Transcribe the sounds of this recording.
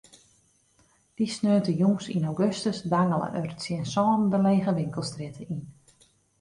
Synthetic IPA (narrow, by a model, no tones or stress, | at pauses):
disnøːntəjuŋsḭnawɡøstəsdaŋələ̰ʔørətsjɪənsɔːndəleːɣəʋɪŋkəlˠstrɪtʰəin